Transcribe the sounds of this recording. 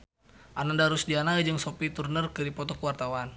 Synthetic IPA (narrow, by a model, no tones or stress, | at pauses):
ʔanandaɾusdianaid͡ʒɨŋsopit̪urnərkɨɾipɔt̪ɔkəwart̪awan